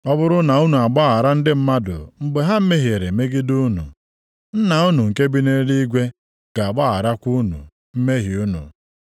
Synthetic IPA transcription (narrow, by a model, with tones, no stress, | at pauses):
ɔ˦bʊ˦ɾʊ˦na˨u˦nu˨a˨ɡ͡ba˦a˨ɾa˦n̩˦dɪ˦m̩˦ma˦dʊ̰˨mŋ͡m̩˦ɡ͡be˦ɦa˦m̩˦me˦ɦje˨ɾe˨me˦ɡɪ˦du˦nṵ˨ | n̩˦na˨u˦nu˨ŋ̩˨ke˦bi˦ne˦li˦i˦ɡʷe˦ | ɡ̥a˨a˨ɡ͡ba˦˨a˨ɾa˦kʷu˦nṵ˨ | m̩˦me˦ɦi˨u˦nṵ˨